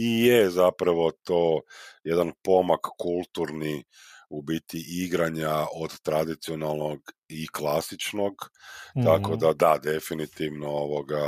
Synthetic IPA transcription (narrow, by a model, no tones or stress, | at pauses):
ijezapɾaʋo̞t̪oːjed̪anpo̞makːulˠt̪uɾni | ubit̪iʔiɡɾaɲaod̪t̪ɾad̪it̪sio̞nalˠno̞ɡiklˠasit͡ʃno̞ɡt̪ako̞d̪ad̪ad̪e̞finit̪iʋnooʋoɡa